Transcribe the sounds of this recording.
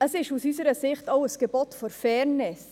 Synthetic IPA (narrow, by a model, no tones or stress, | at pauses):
əsɪʃusyːsəɾəsɪχtoʊəsɡ̥əbɔtfɔɾfɛːɾnɪs